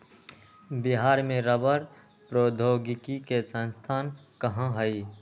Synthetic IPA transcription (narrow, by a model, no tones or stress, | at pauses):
bɪɦaːɾmẽɾəbəɾ | pɾoːd̪ʱoːɡɪkikesə̃nst̪ʰaːnkəɦãɦəi